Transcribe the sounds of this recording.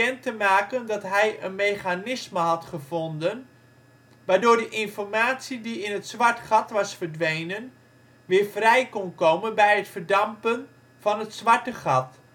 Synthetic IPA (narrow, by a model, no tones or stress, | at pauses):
ɛntəmaːkəndɑtɦɛjənmeːχanɪsməɦɑtχəvondən | ʋaːɹdʊːɹdəʔɪnfɔrmaːtsidiɪnətsʋaɹtχɑtʋɑsfəɹdʋejnən | ʋɪːɹfrɛjkɔnkowmənbɛjətfərdɑmpən | vɑnətsʋaɹtəχɑt